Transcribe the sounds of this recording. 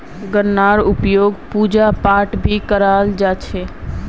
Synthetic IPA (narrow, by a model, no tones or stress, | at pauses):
ɡəɾnaɾʊpjoːɡpud͡ʒapaʈbʱikəɾald͡ʒat͡ʃʰe